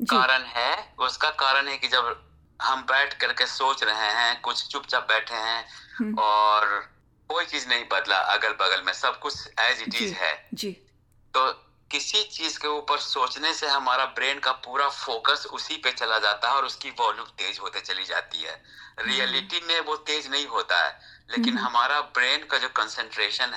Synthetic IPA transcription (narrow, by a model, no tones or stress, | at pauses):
d͡ʒkaːɾənɦɛʊskakaːɾənɦɛkid͡ʒɐb | ɦɐmbɛːʈʰkɐɾkesoːt͡ʃɾɐɦeɦɛ̃kʊt͡ʃʰt͡ʃʊpt͡ʃabɛːʈʰeɦɛ̃ɔːɾ | koːit͡ʃiːznɐɦĩbɐd̪la̰ʔɐ̰ɡəɾbɐɡəlmẽsɐb̚kʊt͡ʃʰɛːɪzɪʈiːzɦɛ̰ːd͡ʒiː | t̪oː | kɪsit͡ʃiːzkeuːpəɾsoːt͡ʃneseɦɐmaːɾabɾeːnkapuːɾafoːkəsʊsipet͡ʃɐlad͡ʒaːt̪aɦɛɔːɾʊskiʋɔːluːb̚t̪eːd͡ʒɦoːt̪et͡ʃɐlid͡ʒa̰ːt̪ḭɦɛ̰ː | ɾiːəlɪʈimẽʋot̪eːd͡ʒnɐɦĩɦoːt̪a̰ɦɛ̰ːleːkɪnɦɐmaːɾabɾeːnkad͡ʒoːkə̃nsə̃ɳʈɾeːʃən